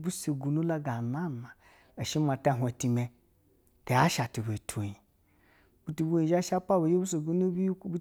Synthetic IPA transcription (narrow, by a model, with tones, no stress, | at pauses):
bu˦se˨ɡu˨nu˦la˦ɡa˨na˦˨ma˨ | e˨ʃi˦ma˨ta˦˨ɦʷe˨ti˨me˦ | te˨a˦ʃa˨ti˨be˨tʰo˨i˨ | b̥u˦tu˨bo˦i˨d͡ʒa˦ʃa˦pa˦bo˨je˦bu˦s̬e˨ɡu˦nu˦bi˦jbu˦